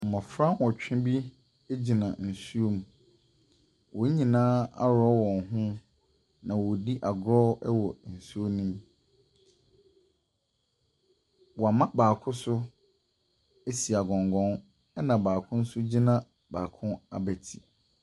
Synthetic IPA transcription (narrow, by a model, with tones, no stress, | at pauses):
m̩˨mã˨fɾã˦wɔ˨t͡ɕᶣɪ̃˦bi˦ | e˦d͡ʑi˨nã˨n̩˨su˦o˦m˨ | wɔ˨˦ɲĩ˨nãː˦a̰˦ɾɔ˦wɔ̃˨nɦʊ̃˦ | nã˨wɔ˨di˦ʔa˨ɡɾɔ˦ɛ˦wɔ˨n̩˨su˦o˦nĩ˦m | wɔ˨a˨mã˦baː˨kʰʊ̃˦sʊ˦ | e˦si˨a˨ɡɔ̃˨ŋɡɔ̃˦n | ɛ˦nã˨baː˨kʰʊ̃˦n̩˦sʊ˦d͡ʑi˦nã˨ | baː˨kʰʊ̃˦a̰˨bæ˨tʰi˨